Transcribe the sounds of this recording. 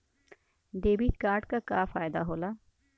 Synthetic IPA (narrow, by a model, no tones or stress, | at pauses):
ɖ̪eːbit̪kaːɾʈkakaːfaːjd̪aɦoːlaː